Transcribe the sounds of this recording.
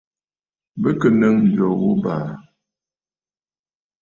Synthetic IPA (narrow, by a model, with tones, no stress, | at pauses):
bə˦kə˨nə˦ŋ̩˨d͡ʒɔ˨ɣo˦ba̰˨